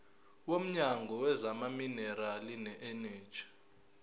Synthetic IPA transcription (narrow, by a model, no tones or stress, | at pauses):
wom̩ɲaŋɡʱɔwɛzamaminɛralinɛʔɛnɛ̥ːt͡ʃʰḁ